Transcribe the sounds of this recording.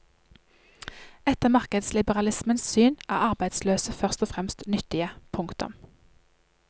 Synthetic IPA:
ɛt̪əmɑʁkəd̪slɪbəʁɑlɪsmənssyːnʔæ̰ːʁɑʁbæɪd̪sløːsəfœʁst̪ɔfʁɛmst̪nʏt̪ɪəpʰʊŋkt̪ʊ̰m

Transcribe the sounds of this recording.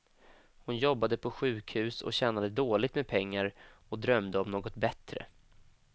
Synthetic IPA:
hʊnjɔbːad̪əpʰɔɧʉ̟ːkhʉ̟ːsɔ̰ɕɛːnad̪əd̪oːlɪt̪meːd̪̚pʰɛŋːaɾɔd̪ɾœmd̪əɔmnoːɡɔt̪bɛt̪ɾə̰

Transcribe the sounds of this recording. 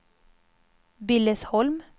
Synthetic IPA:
bɪləshɔlm

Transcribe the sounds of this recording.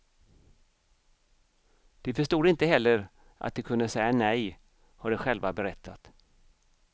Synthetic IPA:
d̪̥ɛfœʂt̪uːd̪ɪnt̪əɦɛlːəɾ | ʔa̰t̪̚d̪ɛkʰɵnd̪əsɛjːanɛj | hɔɖɛɧɛlvabɛɾɛt̪ʰːat̪

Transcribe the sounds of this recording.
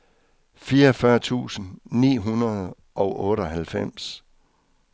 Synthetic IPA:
fiːɐɒfɶɐt͡sʰṵːsn̩nḭːɦunɐðˠ | ʔɒ̽ʊʔɔ̽ːɾəɒɦælfem̰s

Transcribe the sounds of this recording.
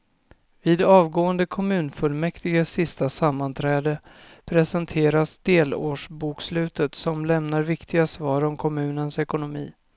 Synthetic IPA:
viːd̪ɑːvɡoːənd̪əkʰɔmʉ̟ːnfɵlmɛkt̪ɪɡasɪst̪asamːant̪ʰɾɛːd̪ə | pʰɾɛsənt̪ʰeːɾasd̪eːloːʂbuːkslʉ̟ːt̪ət̪sɔmlɛmnaɾvɪkt̪ʰɪɡasvɑːɾɔmkʰɔmʉ̟ːnənsɛkʊnʊmḭː

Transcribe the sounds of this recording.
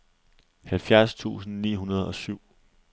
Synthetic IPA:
hælfjæɐst͡sʰṵːsn̩nḭːɦunɐð̞ˠɒ̽syʊ̰

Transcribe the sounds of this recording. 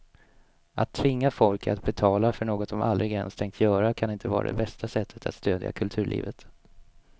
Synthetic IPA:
at̪ʰːvɪŋːafɔlka̰t̪bɛt̪ʰɑːlafœɳoːɡɔt̪sɔmʔald̪ɾɪɡɛnst̪ʰɛŋk̚t̪ʰjœːɾakʰanɪnt̪əvɑ̰ːɾa̰d̪ɛ̰bɛst̪asɛt̪ʰːə̥t̪ʰa̰t̪st̪øːd̪ja̰kʰɵlt̪ʰʉ̟ːɭʔḭːvət̪

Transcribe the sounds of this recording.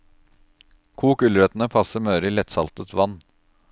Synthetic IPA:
kʰuːkʉlɾɛt̪ənəpʰɑsəɾmœːɾəiːlɛt̪sɑlt̪ət̪ʋɑn

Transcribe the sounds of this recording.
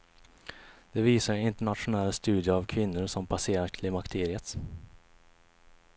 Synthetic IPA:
d̪̥ɛviːsaɾɪnt̪əɳat̪ɧʊnɛlst̪ʉ̟ːd̪jəavkʰvɪnːʊɾʂɔmpʰaseːɾakʰlɪmakt̪ʰeːɾɪət̪

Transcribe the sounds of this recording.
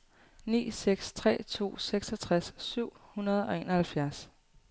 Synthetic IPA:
nḭːseɡ̥st͡sʰʁɛ̰ːt͡sʰo̝̰ːseɡ̥sɒ̽t͡sʰʁasːyʊ̰hunɐð̞ˠɒ̽e̝ːnɒhælfjæɐs

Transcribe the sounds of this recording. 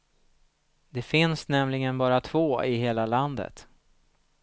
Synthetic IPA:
d̪ɛfɪnsnɛmlɪɡənbɑːɾat̪ʰv̥oːɪɦeːlaland̪ə̰t̪

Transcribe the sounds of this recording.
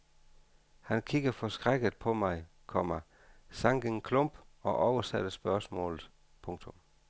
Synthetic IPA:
hænkʰiɡ̥ɐfɒ̽sɡ̥ʁaɡ̥ð̩ˠpʰɒ̽mɑ̈ɪ | kʰɒ̽mɐ | sɑ̈ŋɡ̥əŋkʰlɔmb̥ɒ̽ʔɒʊɐsæd̥əsb̥ɶɐsmɔ̰̽ːlð̩ˠ | pʰɔ̽ŋt͡sʰɔ̽m

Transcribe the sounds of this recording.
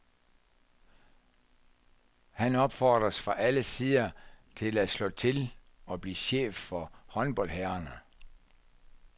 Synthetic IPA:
hænɒ̽b̥fɒ̰ːd̥ʁɐsfʁɑ̈ʔæləsiðˠɐt͡sʰe̝læslɔ̰̽ːt͡sʰe̝l | ɒ̽b̥lḭːɕḛːfːɒ̽hɒ̽nb̥ɒ̽l̰hæːɐnə

